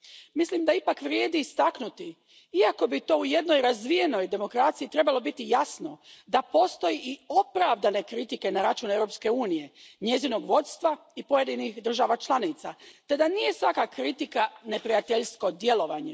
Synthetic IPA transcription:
mislimd̪aipakʋɾje̞ːd̪iːst̪aknut̪i | iako̞bit̪o̞ːuje̞d̪no̞jɾazʋije̞no̞jd̪e̞mo̞kɾat̪sijit̪ɾe̞balˠo̞bit̪ijasno̞d̪apo̞st̪o̞jiʔio̞pɾaʋd̪ane̞kɾit̪ike̞naɾat͡ʃuːnevɾo̞pske̞uːnije̞ɲe̞zino̞ɡʋo̞t̪st̪ʋaipo̞je̞d̪inixd̪r̩ʒaʋat͡ʃlˠanit̪sat̪e̞d̪anije̞sʋakakɾit̪ikane̞pɾijat̪eʎsko̞d̪je̞lo̞ʋaɲe

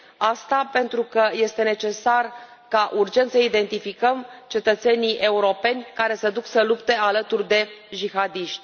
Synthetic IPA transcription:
ast̪ape̞nt̪ɾukəje̞st̪e̞ne̞t͡ʃe̞sar | kaʔurd͡ʒe̞nt̪səid̪e̞nt̪ifikəmt͡ʃe̞t̪ət̪se̞nijʔe̞uɾo̞pe̞nʲkaɾe̞səd̪uksəlupt̪e̞alət̪urd̪e̞d͡ʒixad̪iʃt̪ʲ

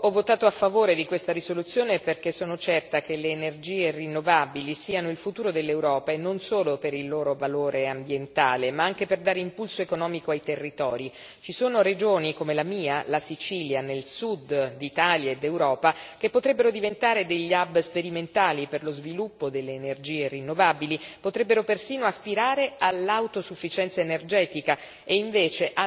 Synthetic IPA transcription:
ɔvːot̪aːt̪oafːavoːɾed̪ikwest̪aɾisolut̪sːjoːneperkesːoːnot͡ʃɛrt̪ak̟eleːnerd͡ʒiːerinːovabilisiːanoilfut̪uːɾod̪elːewɾɔːpaenːonsoːlopeɾilːoːɾovaloːɾeambjent̪aːlemaaŋk̟eperd̪aːɾeimpulsoekonɔːmikoajt̪erːit̪ɔːɾi | t͡ʃisoːnoɾed͡ʒoːnikomelamiːalasit͡ʃiːljanelsud̪d̪it̪aːljaed̪ewɾɔːpak̟epːot̪ɾebːeɾod̪ivent̪aːɾed̪eʎːabspeɾiment̪aːliperlozvilupːod̪elːeːnerd͡ʒiːerinːovaːbilipot̪ɾɛbːeɾopersiːnoaspiɾaːɾealːawt̪osufːit͡ʃɛnt̪saenerd͡ʒɛːt̪ika | eiɱveːt͡ʃeʔa

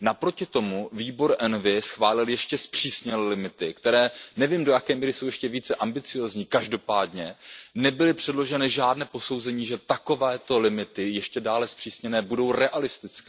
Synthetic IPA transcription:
napɾo̞cɪt̪o̞muviːbo̞ɾʔɛnvɪsxvaːlɪljɛʃcɛspr̝̥iːsɲɛlɛlɪmɪt̪ɪkt̪ɛɾɛːnɛviːmdo̞jakɛːmiːɾɪso̞wjɛʃcɛviːt͡sɛʔambɪt͡sɪjo̞ːzɲiːkaʒdo̞paːdɲɛnɛbɪlɪpr̥ɛdlo̞ʒɛnɪʒaːdnɛːpo̞so̞wzɛɲiːʒɛt̪ako̞vɛːt̪o̞lɪmɪt̪ɪjɛʃcɛdaːlɛspr̥iːsɲɛnɛːbudo̞wɾɛʔalɪst̪ɪt͡skɛː

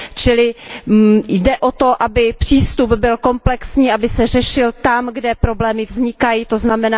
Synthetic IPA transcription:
t͡ʃɪlɪ | jdɛʔo̞t̪o̞ʔabɪpr̥iːst̪ubbɪlko̞mplɛksɲiːʔabɪsɛr̝ɛʃɪlt̪amɡdɛpɾo̞blɛːmɪvzɲɪkajiːt̪o̞znamɛnaː

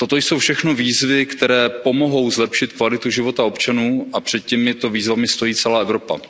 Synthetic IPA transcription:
t̪o̞t̪o̞jsowfʃɛxno̞viːzvɪkt̪ɛɾɛːpo̞mo̞ɦo̞wzlɛpʃɪt̪kvalɪt̪uʒɪvo̞t̪ao̞pt͡ʃanuːʔapr̝̥ɛt̪̚cɛmɪt̪oviːzvamɪst̪o̞jiːt͡sɛlaːɛvɾo̞pa̰

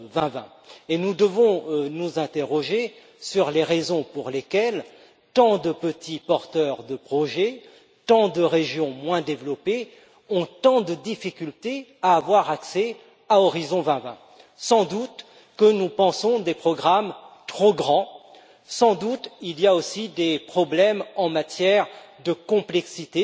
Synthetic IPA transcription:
vɛ̃vɛ̰̃ | enud̪əvɔ̃nuzɛ̃t̪eʁɔʒe | syʁleʁezɔ̃puʁlekʲɛl | t̪ɑ̃d̪əpət̪ʰipɔʁt̪œʁd̪əpχɔʒɛ | t̪ɑ̃d̪əʁeʒjɔ̃mwɛ̃d̪evlɔpe | ɔ̃t̪ɑ̃d̪əd̪ifikʲylt̪eaːvwaʁaksɛ | aɔʁizɔ̃vɛ̃vɛ̰̃ | sɑ̃d̪ut̪ | kənupɑ̃sɔ̃d̪epχɔɡʁamt̪χoɡʁɑ̃ | sɑ̃d̪ut̪ilijaosid̪epχɔblɛmɑ̃mat̪jɛʁd̪əkɔ̃plɛksit̪e

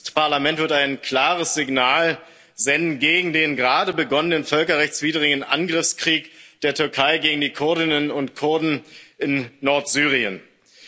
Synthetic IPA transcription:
paɐlamɛntv̥ɪɐtaɪnkl̥aːʁ̞əsz̥ɪɡnaːl | zɛndn̩ɡeːɡŋ̩deːnɡʁaːdəbəɡɔnənənfœlkɐʁɛçt͡sv̥iːdəʁ̞ɪɡənʔa̰nɡʁɪfskʁ̥iːkd̥eːɐtʰʏɐkʰaɪɡeːɡŋ̩diːkʰʊɐdɪnənʊntkʰʊɐdn̩ʔɪnːɔɐtz̥yːʁ̞iən

